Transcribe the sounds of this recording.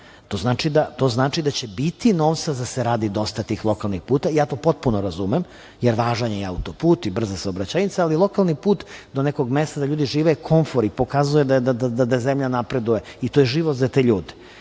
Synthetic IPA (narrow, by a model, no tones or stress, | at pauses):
t̪oznaːt͡ʃid̪at̪o̞znaːt͡ʂid̪at͡ɕe̞bit̪ino̞ʋt̪sad̪aseɾaːd̪id̪o̞st̪at̪iːxlˠo̞kalˠnixpuːt̪aijaːt̪o̞ːpo̞t̪̚punoɾazumem | jeɾʋaːʒaɲejeaut̪opuːt̪ibr̩zasaobɾat͡ɕajit̪saalilˠo̞kalˠnipuːt̪d̪oneko̞ɡmest̪ad̪aʎuːd̪iʒiːʋekʰo̞ɱfoɾipo̞kazujed̪ad̪ad̪ad̪ad̪azemʎanapɾed̪ujeit̪ojeʒiʋot̪zat̪e̞ʎuːd̪e